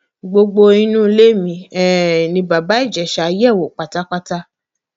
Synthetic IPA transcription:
ɡ͡bo˧ɡ͡bo˧ĩ˦nũ˦˧le˦mĩ˧˦ɛ˦˨nĩ˧ba˨ba˨˦i˦˨d͡ʒɛ˨ʃa˨˦jɛ˦˨wo˨k͡pa˨ta˦k͡pa˦ta˦

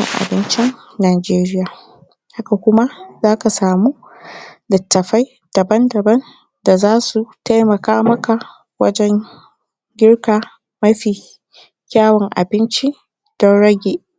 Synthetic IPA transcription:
ɪ̰˨ŋʔa̰˨bɪ˦nt͡ʃɪ˦nː | aː˨d͡ʒeː˦ɾɪ˦jaː˨ | ha˦ka˨kʷʊ˦ma˦zaː˦ka˨saː˨muː˦ | dɐ˨tːɐ˨ɸa˦j | d̥ɐ˨bɐ˦ndɐ˨bɐ˦n | da˨zaː˦su˨ta˦jmɐ˨kaː˦mɐ˦ka˨ʔ | wɐ̰˦d͡ʒɛ˦ŋ | ɡʲɪ˦rkaː˨ | mɐ˦ɸiː˨ | kʲaː˦wɔ˨ŋʔa̰˨bɪ˦nt͡ʃi˦ | d̥ɔ˦nɽɐ˦ɡʲeː˨

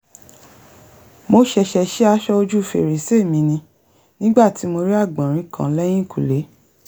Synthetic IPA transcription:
mo˧˦ʃɛ˧ʃɛ˧ʃɛ˦a˧˦ʃɔ˦o˧d͡ʒu˦˨fḛ˨ɾe˨se˦˨mĩ˧nĩ˧ | nĩ˦ɡ͡ba˦˨ti˨˦mo˧ɾi˦a˦˨ɡ͡bã˨ɾ̃ĩ˨˦kã̰˦˨˦lɛ˦j̃ĩ˦˨kṵ˨le˨˦

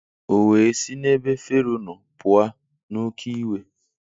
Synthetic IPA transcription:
o˨we˨si˦ne˦be˦fe˦ɾu˦nʊ˨pʊ˨a˦ | no˦kʰi˦we˦

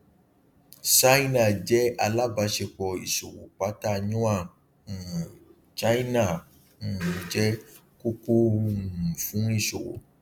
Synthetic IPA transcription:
sa˦i˦na˦˨d͡ʒɛ˦a˧la˦ba˧˦ʃe˧˨k͡pɔ˧˨ḭ˨so˨o̰˨k͡pa˨˦ta˦˨ɲũ˦a˦˨ | t͡ʃa˦i˦na˦˨ | d͡ʒɛ˦ | ko˦ko˦˨ | fũ˨˦i˦˨so˨o̰˨

